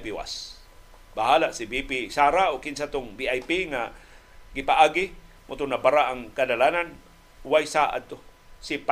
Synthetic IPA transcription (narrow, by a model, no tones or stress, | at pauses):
piwa̰s | baɦaːlasɪbipisaːɾaokɪnsat̪oŋbiʔajpiŋa | ɡɪpaʔaːɡɪ | mʊt̪ʊnabaɾaʔːŋkadalanan | wajsaʔa̰d̪̚t̪o | sɪp